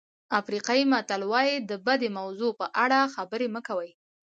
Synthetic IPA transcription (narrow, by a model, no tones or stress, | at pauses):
afɾiqɑjimat̪alwɑjid̪əbad̪emawzopəʔaɽaxabəɾeməkawəj